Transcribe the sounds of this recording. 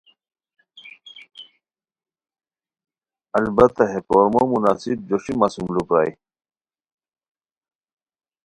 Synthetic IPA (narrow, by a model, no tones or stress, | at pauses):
ɐlbɐt̪ɐɦekoːɾmomunaːsib̚d͡ʑoɕimaːsumlupɾa̰ːḭ